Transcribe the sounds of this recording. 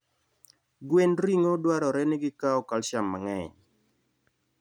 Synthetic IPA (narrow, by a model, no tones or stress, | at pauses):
ɡwenɾiŋodwaɾɔɾɛnɪɡɪkaɔkalʃamːa̰ŋɛɲ